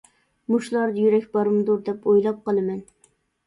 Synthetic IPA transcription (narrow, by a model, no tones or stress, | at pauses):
muʃlˠɑɾd̪ɑjyɾɛkʲbɑɾɨmd̪uɾd̪ɛpojlˠɑp̚qɑlˠɨmɛn